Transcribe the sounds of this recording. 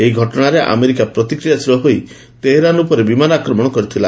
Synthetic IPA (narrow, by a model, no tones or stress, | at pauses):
eɦiɡʱɔʈɔɽ̃aɾeʔa̰meɾikapɾɔt̪ikɾijasiɾɔɦoj | t̪eɦeɾanupɔɾebimanakɾɔmɔɽ̃ɔkɔɾit̪ʰila